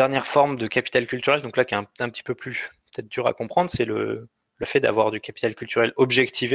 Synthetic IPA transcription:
ɛʁnjɛʁfɔʁmd̪əkapi̥t̪alkʲylt̪yʁɛld̪ɔ̃klakʲɛɛ̃ɛ̃pət̪ʰi̥pøplypə̥t̪ɛt̪χd̪yʁa̰kɔ̃pχɑ̃d̪ʁsɛlə̰ | ləfɛd̪a̰vwaʁd̪ykʲapi̥t̪alkʲylt̪yʁɛlɔbʒɛkt̪ʰive

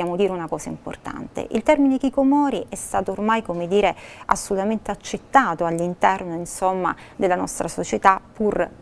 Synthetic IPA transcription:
jaːmod̪iːɾeunakɔːsaimpo̰rt̪a̰nt̪ḛʔḭlt̪ɛrminek̟ikomɔːɾiʔɛst̪aːt̪oːrmajkomed̪iːɾea̰sːolut̪ament̪eat͡ʃːet̪ːaːt̪oalːint̪ɛrnoinsomːa̰d̪elːanɔ̰st̪ɾasot͡ʃet̪apːur

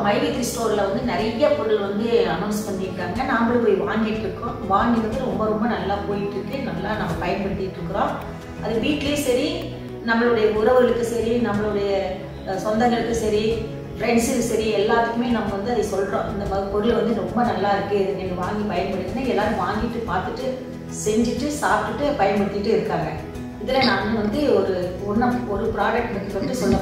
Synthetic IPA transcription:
mɐɪʋit̪ɪɾsʈoːɾlɐʋɐnd̪ɯnɪɾɐjːɐkɔɾɯlʋɐnd̪ɯɐnɐʊnspɐɳːɪɾɯkːaːɾɯŋɡɐnaːmbɐɭpoːjʋaːŋɡɪʈːɯkːʊ̃ːʋaːŋɡɪɾɯt̪ːɐlɾɔmbɐɾɔmbɐnɐlːaːpoːjɪʈːɯkːɯnɐmlːaːnɐmːɐpɐjɐnpɐɽɪt̪ːɪʈːɾɯkːɯɾõː | ʔɐðɯbiːʈleːsɐɾi | nɐmːɐɭʊɽɐjɐʊɾɐʋɐɾɐɭɯkːɯsɐɾinɐmːɐɭʊɽɐjɐ | sɔnd̪ɐŋɡɐɭɯkːɯsɐɾi | ɾɛɳʈsɯkːɯsɐɾiɛlːaːt̪ɯkːɯmeːnɐmːɐʋɐnd̪ɯɐðɐsɔlɾõ̰ːɪnd̪ɐpɐɣpɔɾɯlʋɐnd̪ɯɾɔmbɐnɐlːaːɪɾɯkːɯɪðɯɛŋɡɐʋaːŋɡipɐjɐnpɐɽɪt̪ːɯnːãɛlːaːɾɯʋaːŋɡɪʈːɯpaːɾt̪ɯʈːɯ | sɛɲd͡ʒɯʈːɯsaːp̚ʈːɯʈːɯpɐjɐnpɐɽɪt̪ːɪɪʈːɯɪɾɯkːaːŋɡɐ | ɪðɪlɛnãːɐnɯʋɐnd̪ɯɔɾɯʊnːɐmɔɾɯpɪɾaːd͡ʒɐk̚ʈmɪkːɯpːɐʈːɯsɔlːɐ

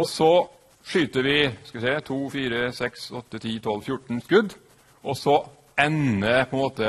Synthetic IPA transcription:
ɔsɔ | ʂyːt̪əʋɪskɑʋɪsɛt̪ʰuːfiːɾəsɛksɔt̪ːət̪ʰiːt̪ʰɔlfjʊʈːɳ̩skʉd̪ | ʔɔsɔ | ɛnəpʰɔɛnmoːt̪ə

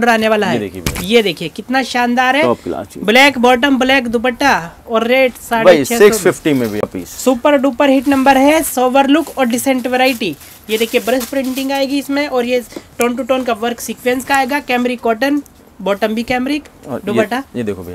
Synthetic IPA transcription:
ɖəɾaːneʋaːlaɦɛd̪ḛkʰiejed̪eːkʰiekɪt̪naʃãːnd̪aːɾɦɛpblɛːkbɔːʈ̬əmblɛːkd̪ʊbəʈːaɔːɾːeːʈsaːɽbet͡ʃʰɛːɪkɔfɪfʈĩmẽbʱipḭːssuːpəɾɖuːpəɾɦɪʈnɐ̃mbəɾɦɛsoːʋəɾlʊkɔːɾɖɪsẽɳʈʋeɾaːɪʈi | jed̪eːkʰiebɾəspɾɪ̃ɳʈɪ̃ŋɡaːeːɡiɪsmẽʔɔːɾjeʈoːnʈ̬uʈoːnkaʋəɾksiːkʋẽnskaːeːɡakɛːmɾikɔːʈən | bɔːʈəmbʱikɛːmɾikɔd̪ʊbəʈajed̪ekʰob

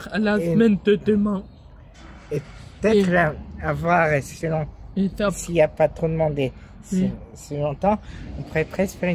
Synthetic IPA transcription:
alasmɛnt̪ət̪əmɛ̃ | eət̪ɛχlaːvwaʁessəlɔ̃siljapat̪χod̪əmɑ̃d̪e | sisilɔ̃ɑ̃t̪ɑ̃ɔ̃puʁɛpχɛsfeʁi

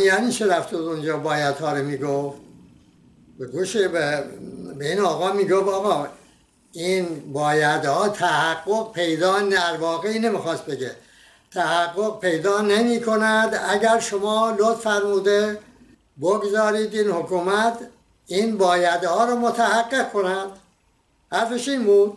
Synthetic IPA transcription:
jæniːt͡ʃʰeɾæft̪ʰud̪ond͡ʒɒːbɒːjæd̪hɒːɾomiːɡoft̪̚ | beɡuːʃebebeiːnɒːɣɒːmiːɡofɒːɣɒː | iːnbɒːjæd̪hɒːt̪ʰæhæɡːoɡpʰe̞jd̪ɒːnæɾvɒːɣeiːnemixɒːst̪̚beɡe | t̪ʰæhæɡːoɣ̚pʰe̞jd̪ɒːnemiːkʰo̞næd̪æɟæɾʃomɒːlot̪fæɾmuːd̪e | boɡzɒːɾiːd̪iːnhokʰuːmæt̪ʰ | iːnbɒːjæd̪ehɒːɾɔːmot̪ʰæhæɡːeɡ̚kʰonæd̪̥ | hæɾfeʃiːnbuːd̪̥̚

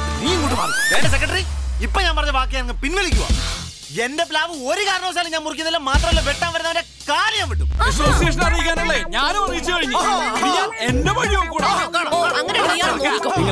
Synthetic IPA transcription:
niːŋkuʈːumaeːndes̬ekːɾɐʈɐriipːoɲaːnpɐrɐɲːɐbaːkːjaːnŋːɐpinʋɐlikʲːuʋa̰ | e̞ndep̬laːʋɨoɾukaːɾɐɳɐʋɐs̬aːlɨɲaːnmurik̬ʲːunːilːɐmaːt̪rɐmɐlːoʋeʈːaːnʋɐɾunːɐʋɐnde | kaːlɐjaːmʋiʈ̬ːuisosijeʂɐnaːɽikʲːaːnuɭːeɲaːnumɐrɣit͡ɕːukɐɻiɲːɨaendeʋɐɻijɐmkuːɽkːaːɐːɐŋːɐneɐkɐjːaː

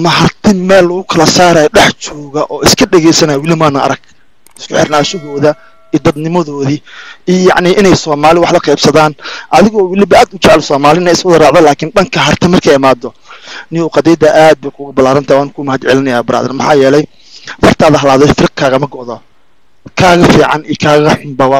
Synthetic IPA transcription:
mɐɦɐrt̪ʰɪmɛːlːʊɣʊkʰɐlɐsaːɾaːjɗɛħt͡ʃɔːɣɐʔɔːɪskʰɐɖɛɣɛjsɐnaːjwɪlɪmaːnɐɐ̰ɾɐɡ̚ | ɪ̥skʰʊħɪrnaːʃɐɦɔːðɐ | iːd̪ɐd̪nɪmɔðɔːðiijjɑʕnɪʔɪnɛjsɔːmaːlɪwɑħlɐqɛjbsɐðaːnʔɐðɪɣɔːwɪlɪbɐʔaːd̪ʊt͡ʃʕlsɔːmaːlɪnɐɪswʊðɐrɑːʕðɐlaːkʰɪnɗɐŋkʰɐɦɐrt̪ʰɛmɐrkʰɐjɪmaːd̪ɔ | nɪʊːqɑd̪ɛjd̪ɐʔaːd̪̚bɛjkʰʊɣʊbɐlaːɾɐnt̪ʰaːjwaːnkʰʊmɐhɐd̪ʕɛlɪnɐjaːbɪɾa̰ːðɪ̰ɾmɐħɑːjɛːlɛj | fɐrt̪ʰaːðɐɦɐlaːðɔjfɪɾɪq̚kʰaːɣɐmɐɡɔʔðɔ | kʰaːɣɐfiːʕɑ̰nijkʰaːɣɐħʊmbɐwɑː

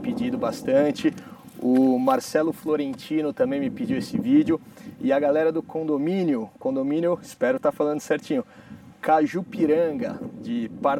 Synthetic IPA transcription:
pid͡ʒid̪ʊbast̪ɐ̃t͡ʃɪ | ʊmaɾsɛlʊfloɾẽnt͡ʃĩnʊt̪ɐ̃mbẽj̃mɪpid͡ʒiwesɪvid͡ʒjʊɪɐɡalɛɾɐd̪ʊkõd̪omĩnjʊkõnd̪omĩnjʊɪspɛɾʊt̪aɾfalɐ̃nd̪ʊsɛɾt͡ʃĩɲʊ | kaʒupiɾɐ̃ɡɐd͡ʒɪpaɾ

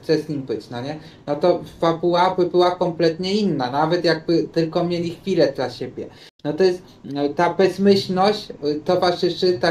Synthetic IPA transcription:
t̪sɛzɲimbɘt͡ɕnɔɲɛ | nɔt̪ɔfabuwabɘbɘwakɔmplɛt̪ɲɛinːanavɛt̪jaɡ̚bɘt̪ɘlkɔmɲelʲixfʲilɛd̪laɕebʲjɛ | nɔt̪ɔjɛst̪ː | abɛzmɘɕlnɔɕt͡ɕt̪ɔvaʐɘʂɘt̪a

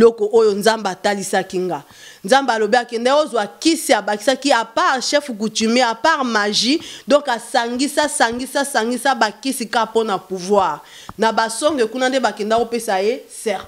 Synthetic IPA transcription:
lɔkɔʔojonzambeatalisakiŋɡa | nzambalobiakɛndaozwakisiabakisakiapaʁʃɛfk̬utymeapaʁmaʒidɔ̃ŋkasaŋɡisasaŋɡisasaŋɡisabakisikaponapuvwaʁ | nabasɔŋɡekunandebakɛndakopesajesɛʁt

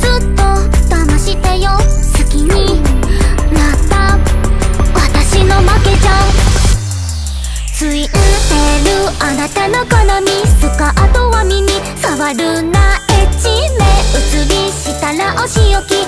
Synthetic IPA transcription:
zɨt̪ːo̞ | t̪amaɕit̪e̞jo | sɨkʲiɲ̟i | nat̪a | βat̪aɕino̞make̞d͡ʑã | sɨiʔɯ̃t̪eɾɯ̟anat̪ano̞kanomʲisɨkaʔat̪oβamʲimʲi | saβaɾɯ̟naet͡ɕimeɯ̟t͡sɨɾʲiɕit̪aɾaʔoɕijokʲi

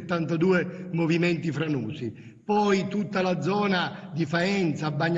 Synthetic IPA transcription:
t̪ːant̪ad̪uːɛmovimɛnt̪ifɾanuːsi | pɔjt̪ut̪ːalad̪zːɔːnad̪ifaɛnt̪sabːaɲː

